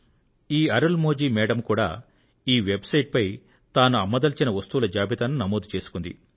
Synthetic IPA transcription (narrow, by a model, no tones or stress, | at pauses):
iːɐɾɐlmoːd͡ʒiːmɛːɽɐmkuːɽa̰ː | iːʋebsɐjʈ̚pɐj | t̪aːnuɐmːɐd̪ɐlt͡ʃinɐʋɐst̪uʋulɐd͡ʒaːbit̪aːnːunɐmoːd̪ut͡ʃe̞ːsu̥kund̪ḭ